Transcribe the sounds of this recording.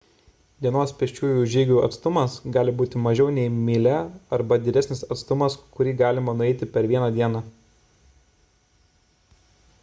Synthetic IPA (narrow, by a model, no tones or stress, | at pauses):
d̪ʲiɛnoːspʲɛʃʲt͡ʃʲuːjuːʒʲiːɡʲuːɐ̰t̪st̪ʊmɐsɡɑːlʲɪbuːt̪ʲɪmɐʒʲɛʊnʲɛɪmʲɪlʲɛɐɾbɐd̪ʲɪd̪ʲæsʲnʲɪsɐt̪st̪ʊmɐskʊɾʲiːɡɑːlʲɪmɐnʊɛɪt̪ʲɪpʲɛɾʋʲiɛnɐd̪ʲiɛnɑ